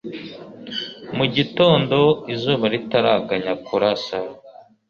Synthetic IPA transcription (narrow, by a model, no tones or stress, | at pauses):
muɟito̞ːndo̞izuːβaɾitaɾaɡaɲakuɾasa